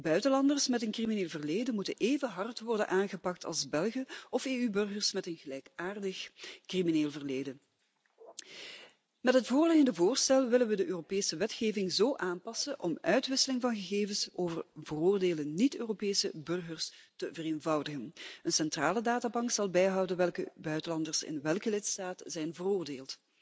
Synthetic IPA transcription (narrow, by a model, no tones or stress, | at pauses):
bœɥtəlɑndərsmɛtənkrimineːlˠvərleːdənmutənʔeːvəɦɑrtʋɔrdə̰nʔaːnɣəpɑk̚tʰɑ̰lˠzbɛlˠɣəɔfeːybɵrɣərsmɛtənɣəlɛjkaːrdəxkrimineːlˠvərleːdən | mɛtɦətfoːrlɪɣəndəvoːrstɛlˠʋɪlənʋədəʔøːropeːsəʋɛtxeːvɪŋzoːʔaːnpɑsəʔɔmœɥtʋɪsəlɪŋvɑnɣəɣeːvənsoːvərvəroːrdeːlənitøːropeːsə̰bɵrɣərstəvəreːnvɑwdəɣənənsɛntraːlədaːtaːbɑŋksɑlˠbɛjɦɑwdənʋɛlˠkəbœɥtəlɑndərsɪ̰nʋɛlˠkəlɪtstaːtəzɛjnvəroːrdeːlˠt